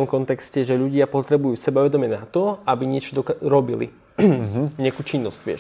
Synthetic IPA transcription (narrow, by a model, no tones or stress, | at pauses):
t̪ɔmkɔnt̪ɛkscɛʒɛʎuɟɪapɔt̪ɾɛbujuːsɛbaʋɛd̪ɔmɛnat̪ɔabiɲɪɛt͡ʃɔd̪ɔɾɔbilḭ | ɲɪakuːt͡ʃinːɔscʋɪɛ̰ʃ